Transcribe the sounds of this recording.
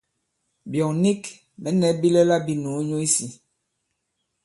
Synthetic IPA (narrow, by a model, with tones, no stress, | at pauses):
bjɔ˨ŋni˦k | mɛ˨˦nɛ˨˦bi˦lɛ˦la˦bi˦nu˨˦ɲo˦i˦si˨